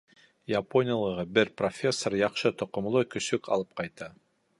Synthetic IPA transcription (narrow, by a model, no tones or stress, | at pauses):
japonʲɪjəlˠɤʁɤbɘɾprofʲe̞sːoɾjɑqʃɤt̪ŏqŏmlˠɤkɵ̆sɵkɑ̰lˠɤp̚qɑjt̪ɑ